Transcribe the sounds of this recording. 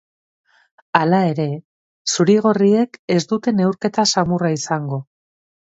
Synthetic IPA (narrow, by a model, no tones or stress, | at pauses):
alae̞ɾe̞ | suɾiɣ̞o̞rie̞ke̞zd̪ut̪e̞ne̞wɾke̞t̪asamuraisaŋɡo̞